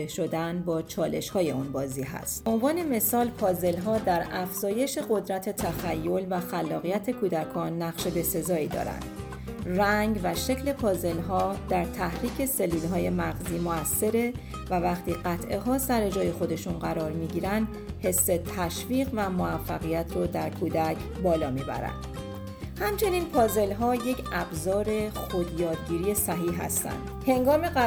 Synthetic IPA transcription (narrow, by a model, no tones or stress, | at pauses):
eʃo̞d̪ænbɒːt͡ʃʰɒːle̞ʃhɒːje̞unbɒːziːɦæ̰st̪̚o̞nvɒːne̞me̞sɒːlpʰɒːze̞lɦɒːd̪æɾæfz̥ɒːje̞ʃe̞ɢo̞d̪ɾæt̪ʰe̞t̪ʰæxæjːo̞lvæxælːɒːɣijæt̪ʰe̞kʰuːd̪ækʰɒːnːæɣʃe̞be̞se̞zɒːiːd̪ɒ̰ːɾæ̰nd̪̥ | ræŋɡvæʃe̞cʰle̞pʰɒːze̞lɦɒːd̪̥æɾt̪ʰæhɾiːcʰe̞se̞lːuːlɦɒːje̞mæɣziːmoæsːe̞ɾe̞ | vævæχt̪ʰiːɢæt̪ʰʔe̞ɦɒːsæɾe̞d͡ʒɒːje̞xo̞d̪e̞ʃunɢæɾɒːɾmiːɟiːɾænd̪ | he̞sːe̞t̪ʰæʃviːɣvæmoæfːæɣijæt̪ʰrod̪æɾkʰuːd̪æcʰbɒːlɒːmiːbæ̰ɾæ̰nd̪̥ | hæmt͡ʃʰe̞niːnpʰɒːze̞lɦɒːje̞cʰʔæbzɒːɾe̞xo̞d̪jɒːd̪̚ɟiːɾiːe̞sæɦiːɦæ̰st̪æ̰nd̪̥he̞ŋɡɒːme̞